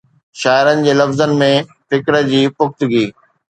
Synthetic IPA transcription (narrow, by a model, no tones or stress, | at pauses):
ʃaːɪɾənɪ̆d͡ʑeːlɐfzənɪ̆mẽ | fɪkɾə̆d͡ʑiːpʊxt̪ʊɡiː